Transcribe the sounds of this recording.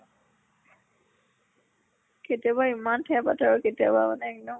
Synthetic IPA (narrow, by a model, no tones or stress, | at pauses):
ketijabaimantʰɛjapataɹɔketia̰bama̰nɛɛk̚nɔ